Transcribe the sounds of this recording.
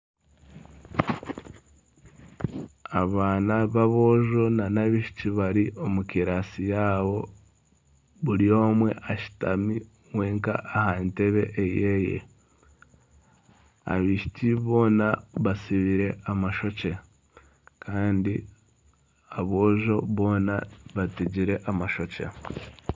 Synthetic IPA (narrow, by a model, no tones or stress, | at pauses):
aβaːnaβaβo̞ʒo̞nanaβiʃi̥tiβaɾiʔo̞mukiɾasijaːβo̞ | βuɾio̞ːmwe̞̰ʔaʃi̥tami | weːŋka̰ːhante̞βe̞̰ʔːjejḛ | a̰βiʃi̥t͡ʃiβo̞ːnaβasiβiɾe̞amaʃo̞t͡ʃe̞ | kʰaːndi | aβoːʒo̞βo̞ːnaβatiɟiɾe̞ʔamaʃo̞t͡ʃḛ